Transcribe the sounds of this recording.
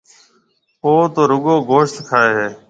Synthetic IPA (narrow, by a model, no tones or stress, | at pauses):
oːt̪oːɾʊɠoːɡʱoːʃt̪kʰaːeːɦeː